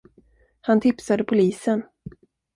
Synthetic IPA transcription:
hant̪ʰɪpsad̪əpʰʊliːsən

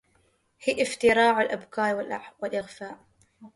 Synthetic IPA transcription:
hɪːʔɪft̪ɪɾɑːʕalʔabkɑːɾˤwɪlʔwɪlʔɪɣfaːʔ

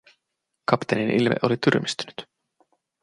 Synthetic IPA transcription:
kɑpt̪eninʔilmḛʔo̞lit̪yɾmist̪y̥ny̥t̪

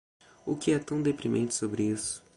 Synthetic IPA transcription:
ʊkɪɛt̪ɐ̃w̃d̪epɾimʔḛ̃nt͡ʃɪ̥sobɾɪisʊ̥

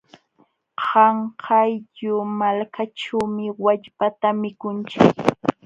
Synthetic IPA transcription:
hɑɴhʰɑjʎʊmalkaʈ͡ʂawmɪwaʎpat̪amɪkʊnt͡ʃɪk

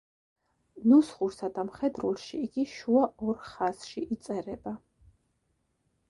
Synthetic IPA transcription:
nusχuɾsad̪amχɛd̪ɾulʃiːɡiʃuaɔɾχasʃiʔit̪sʼɛɾɛba

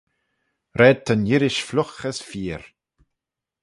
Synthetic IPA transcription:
ɾɛːt̪ʰːənjɪɾɪʃflʊxəsfiːɾ

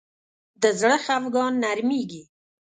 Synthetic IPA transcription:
d̪əzɽəxafɡɑnːaɾmeɡi

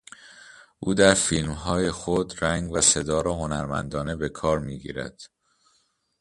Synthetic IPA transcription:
ʔuːd̪æɾfiːlmɦɒːjexod̪ɾæŋɡvæsed̪ɒːɾɒɦonæɾmæ̰nd̪ɒːne̞be̞kʰɒːɾmiːɡḭːɾæ̰d̪̥

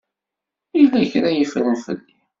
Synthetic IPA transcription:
ilæçɾæjəfɾˤənfə̰lːi

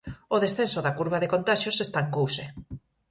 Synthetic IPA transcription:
oðesθensoðakuɾβaðekont̪aʃosest̪aeŋkowse

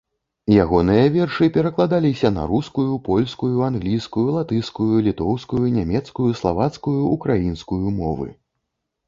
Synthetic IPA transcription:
jaɣɔnɨjɐvʲɛrʂɨpʲɛɾɐklˠad̪alʲisʲɐnɐ̰ɾuskujupɔlʲskujuanɣlʲijskujulˠat̪ɨjskujulʲit̪ɔwskujunʲamʲɛt̪skujuslˠavat̪skujuʔːkɾajinskujumɔvɨ̰

